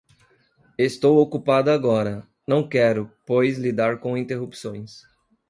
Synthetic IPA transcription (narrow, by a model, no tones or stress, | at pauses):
est̪owokupad̪ʊaɡɔɾɐ | nɐ̃w̃kɛɾʊpojzlid̪aɾkõĩnt̪eɦupsõj̃s